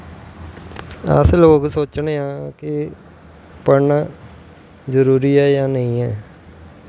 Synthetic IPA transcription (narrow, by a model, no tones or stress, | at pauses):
ə̰sloːksoːt͡ʃɳeːãːkɪ | pəɳaː | zəɾuːɾiːɛːjãːnəĩːɛː